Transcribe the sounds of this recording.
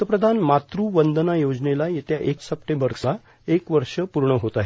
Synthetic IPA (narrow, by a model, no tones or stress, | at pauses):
əpɾəd̪ʱanmat̪ɾuʋənd̪ənajod͡znelajet̪jaʔeksəp̚ʈembəɾsa | ekʋəɾʂəpuɾɳəɦot̪aɦe